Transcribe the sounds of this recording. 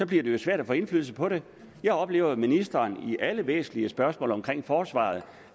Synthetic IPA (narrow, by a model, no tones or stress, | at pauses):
sɒ̽b̥liɐd̥e̝jo̝sʋæɐ̰ɾ̥æfɔ̽ːe̝nflyːðl̩səpʰɒ̽ɾe̝ | jɑ̈ɪɒ̽b̥le̝̰ːʊð̩ˠminisd̥ɐːniʔæləʋɛ̰ːsn̩liəsb̥ɶɐsmɔ̰ːlɒ̽mkʰʁeŋ̰fɒːsʋɑ̰̈ð̞̩ˠ